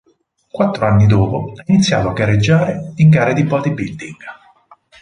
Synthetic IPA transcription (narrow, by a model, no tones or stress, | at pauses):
kwat̪ːɾoanːid̪oːpoɛinit̪sːjaːt̪oaɡːaɾːed͡ʒːaːɾeiŋkaːɾad̪ibɔːd̪ibild̪iŋɡ